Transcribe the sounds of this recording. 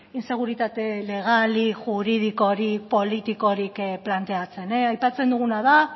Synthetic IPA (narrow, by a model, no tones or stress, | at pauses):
inse̞ɣ̞uɾit̪at̪e̞le̞ɣ̞aliʝuɾiðiko̞ɾipo̞lit̪iko̞ɾikplant̪e̞at͡se̞neajpat͡se̞nd̪uɣ̞unaða